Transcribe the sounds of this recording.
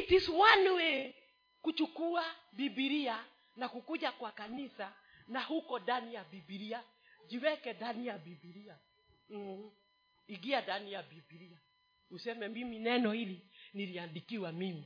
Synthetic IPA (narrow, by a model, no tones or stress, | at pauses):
itisuwanuwɛ | kut͡ʃukuabibiɾia | nakukuʄakwakanisa | nahukɔdanijabibiɾia | d͡ʒiwɛkɛdanijabibiɾia | iɡiadanijabibiɾia | usɛmɛmbiminɛnɔhiliniliandikiwamimi